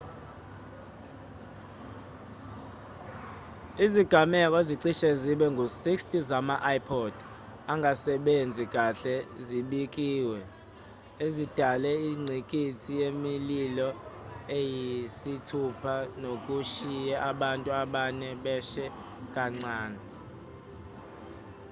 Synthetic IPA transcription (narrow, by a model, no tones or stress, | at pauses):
iziɡ̥ʱamɛk̬ʼɔziǀiʃɛziɓɛŋɡʱusikstʼizamaʔajpʰɔd̥ʱ | aŋʱasɛɓend͡zʱik̬ʼaɬɛziɓikʼiːwɛ | ezid̥ʱalɛiŋ͡ǀʱikʼitʰijemililɔejisitʰupʰanok̬ʼuʃijɛʔaɓantʼuaɓanɛɓɛʃɛ | kʼaŋ͡ǀaːnɛ